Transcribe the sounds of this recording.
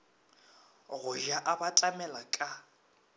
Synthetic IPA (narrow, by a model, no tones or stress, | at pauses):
ɣʊʒaʔabatʼamɛlakʼa